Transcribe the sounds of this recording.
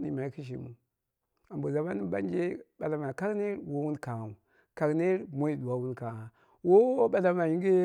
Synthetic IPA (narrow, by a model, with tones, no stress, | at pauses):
ni˨ma˨i˦ki˦ʃ̬ḭ˨mu˨ | a˨mbo˨za˨ma˦ni˦ba̰˦n˦d͡ʒe˦ɓa˨la˨ma˨ka˦kne˦ɾwo˦wu˦nka˨u˨ | ka˨kne˦ɾmo˦i˨du˨wa˨˦wu˦nka˨a˨ | wo˦ɓa˨la˦ma˨ji˦ɡe˦